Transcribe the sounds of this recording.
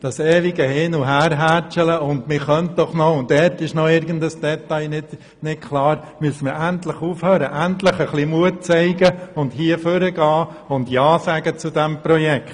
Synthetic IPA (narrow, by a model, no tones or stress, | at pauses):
d̥ɑsɛːʋɪɡəhɪnuɦæːɾɦæt͡ʃɛləʊndmɪχœnt̚d̥ɔχnɔʊntdɛtɪʃnɔɪɾɡən̩dəsd̥ɛtɑɪnɪd | nɪtkʰlɑːɾ | myəsəmɪɾæntləχuːfhøːɾəʔæntləχəχlimuət̚t͡sɛɪɡəʊnthiəføɾəɡɑː | ʊndjɑːsæɡət͡sudɛmpɾɔjɛkt